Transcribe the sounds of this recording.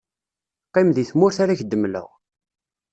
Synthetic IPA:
qːimðiθmʊɾθaɾæçd̪ːəmlə̰ʁ

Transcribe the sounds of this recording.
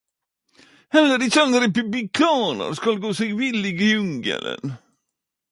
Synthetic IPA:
hɛlːəɾɪsɑnəɾɛpʉblɪkʰɑːnə̰ɾskalɡoːsɛɡvɪlɪɡəjʉŋɡə̰lə̰n

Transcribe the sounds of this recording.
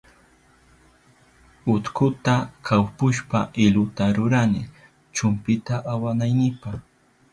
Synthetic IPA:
ʊt̪kʊt̪akʰawpʊʃpaʔɪlʊt̪aɾʊɾanɪ̰ | t͡ʃʊmpɪt̪aʔawanajnɪpaχ

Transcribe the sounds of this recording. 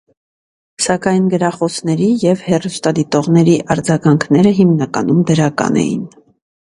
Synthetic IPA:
sɑkɑjnɡəɾɑχɔsʰnɛɾijɛvhɛrust̪ɑd̪it̪ɔʁnɛɾiʔɑɾd͡zɑɡɑŋkʰnɛɾəɦimnɑkɑ̰numd̪əɾɑkɑ̰nɛ̰jḭn

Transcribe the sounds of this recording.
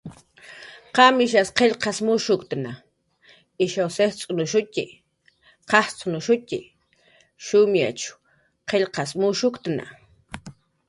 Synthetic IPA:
qɑmɪʃ̬asqeʎqɑsmʊʃʊkt̪na | ɪʃawseht͡sʼʊnʊʃʊtɪ | qɑht͡sʼʊnʊʃʊtʲɪ̰ | ʃʊmja̰t͡ʃʊ̥ | qʰeʎqɑsmʊʃʊkt̪na̰

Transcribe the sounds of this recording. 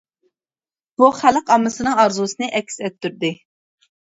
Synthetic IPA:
b̥uχæləqɑmːɨsɨnɨŋɑɾzusɨnɨʔɛkʲsɛt̪ːyɾd̪ɪ

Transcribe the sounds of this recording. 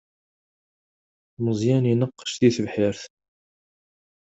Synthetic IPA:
məzˤjæninəqːə̥ʃθiθəvħɪɾθ

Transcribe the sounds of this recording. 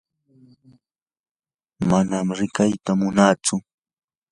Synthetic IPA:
manamɾɪkajt̪amʊnaːt͡sʊ

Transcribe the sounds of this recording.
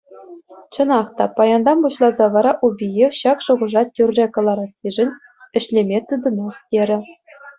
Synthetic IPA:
t͡ɕɤ̆nɑχt̪ɑpɑjɑnd̪ɑmbuɕlˠɑzɑʋɑɾɑʔubʲijefɕɑkʂuʁɤ̆ʐɑtʲyrʲrʲekɤ̆lˠɑɾɑsiʐɘ̆nʲ | ɘ̆ɕlʲemʲet̪ɯd̪ɤ̆nɑstʲeɾʲɘ̆

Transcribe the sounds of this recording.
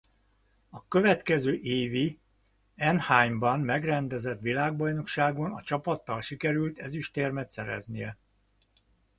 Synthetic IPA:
ɒkø̞vɛt̪kɛzøːʔeːvi | ɛnhaːjmbɒnmɛɡrɛnd̪ɛzɛt̪ʋilaːɡ̚bɒjno̞kʃaːɡo̞nɒ̰t͡ʃɒpɒt̪ːɒlʃikɛɾylt̪ɛziʃt̪eːrmɛt̪sɛɾɛ̰znijɛ

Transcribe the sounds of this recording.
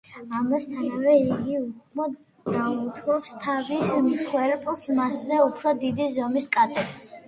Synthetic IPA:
amasːʰanavɛiɡiuχmɔ | ɡ̪aut̪ʰwɔpst̪ʰavismusχwɛɾɛpʼlˠsmaszɛupʰɾɔd̪id̪izɔmiskʼat̪ʼɛps

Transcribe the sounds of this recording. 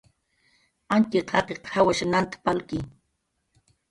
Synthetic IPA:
ant̪iqʰɑqeqhawaʃanant̪ḁpalki

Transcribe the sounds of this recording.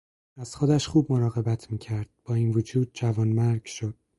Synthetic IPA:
æz̥xod̪æʃχuːb̚mo̞ɾɒːɣe̞bæt̪ʰmiːcʰæɾd̪̥̚b̥ɒːiːnvod͡ʒuːd̪̥̚d͡ʒævɒːnmæɾɡʃod̪̥̚

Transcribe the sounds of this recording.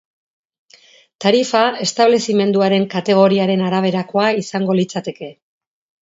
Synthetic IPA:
t̪aɾifae̞st̪aβle̞sime̞nd̪uaɾe̞ŋkat̪e̞ɣ̞o̞ɾiaɾe̞naɾaβ̞e̞ɾako̞aisaŋɡo̞lit͡sat̪e̞ke̞

